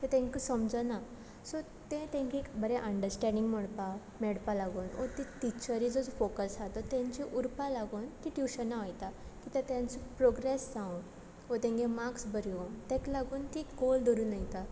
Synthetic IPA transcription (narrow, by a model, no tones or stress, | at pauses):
t̪et̪ɛ̃ŋkusəmd͡zəna | sɔ | t̪ẽt̪ẽŋkikbəɾeʔəɳɖəɾsʈɛ̃ɳɖĩŋɡməɽpa | mɛɽpalaɡuːnɔ̰t̪iʈit͡ɕəɾid͡zɔd͡zɔfokəsat̪ɔt̪ɛ̃ɲt͡ɕiʔuɾpalaɡuːnt̪iʈjuɕənːaʋajt̪akit̪ãt̪jãnt͡sɔpɾɔɡɾesd͡zãũn | ɔt̪ɛ̃ŋɡẽmaksbəɾjont̪ɛ̃klaɡuːnt̪iɡold̪ɔɾunajt̪a